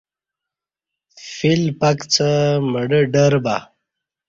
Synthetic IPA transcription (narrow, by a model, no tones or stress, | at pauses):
filpɐkt͡sʰəməɽəɖəɾba̰